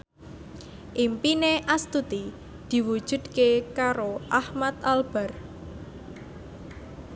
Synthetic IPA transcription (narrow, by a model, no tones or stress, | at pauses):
ʔimpineʔast̪ut̪i | d̪̥i̤wud̥ʒ̥ṳd̪̥̚kekaɾoʔahmat̪alb̥a̤r